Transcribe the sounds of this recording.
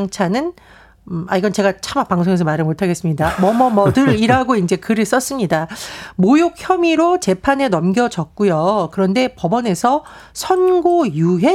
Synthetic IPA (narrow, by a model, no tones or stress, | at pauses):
ŋt͡ɕʰanɯn | a̰iɡʌnt͡ɕe̞ɡat͡ɕʰamapaŋsʰoŋe̞s̬ʰʌmaɾɯɭmotʰaɡe̞s͈ɯmɲidamʌmʌmʌdɯɾiɾaɡoind͡ʑe̞kɯɾɯɭs͈ʌs͈ɯmɲidamojok̚çjʌmiɾot͡ɕe̞pʰane̞nʌmɡjʌd͡ʑʌk̚k͈ujokɯɾʌnde̞pʌbʌne̞sʰʌ | sʰʌnɡojuɦe̞